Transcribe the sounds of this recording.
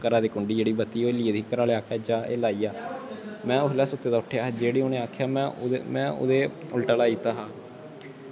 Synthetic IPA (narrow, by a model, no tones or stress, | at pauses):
kəɾaːd̪iːkʊɳɖiːd͡ʒeːɽiːbət̪iːoːliːed̪ʱiːkəɾaːleaːkʰaːd͡ʒaːeːlaːiːjaːmɛ̃ːʊɦlɛːsʊt̪ːeːd̪aːʊʈʰːjaːd͡ʒeːɽiːoneːaːkʰjaːmɛ̃ːmɛ̃ːʊ̰d̪eːʊlʈaːlaːiːt̪aːɦaː